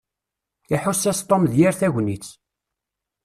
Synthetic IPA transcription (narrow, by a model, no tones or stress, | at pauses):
iħusːæst̪ˤːomðjæɾθæʝʷnit͡sː